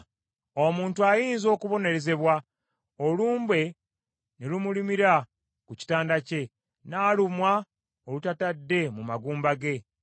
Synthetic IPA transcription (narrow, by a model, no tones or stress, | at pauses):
o̞muːntuajiːnzo̞ːkuβo̞ne̞ɾe̞ze̞βwa | oluːmbwe̞ | nelumulimiɾa | kuci̥taːndace̞ | naːlumwa | olutatadːe̞mumaɡuːmbaɡe̞